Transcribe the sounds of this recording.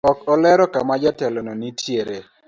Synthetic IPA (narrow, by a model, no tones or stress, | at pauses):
ɔkɔlɛɾɔkamad͡ʒatɛlɔnɔnitʰjeɾe